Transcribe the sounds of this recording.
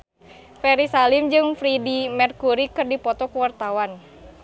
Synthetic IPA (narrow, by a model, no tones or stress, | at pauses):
fɛɾisalimd͡ʒɨŋfɾidimɛrkuɾikɨrdipɔt̪ɔkuwart̪awan